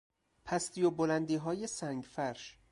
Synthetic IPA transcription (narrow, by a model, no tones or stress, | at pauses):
pʰæst̪ijobolænd̪iːɦɒːjesæŋɡfæɾʃ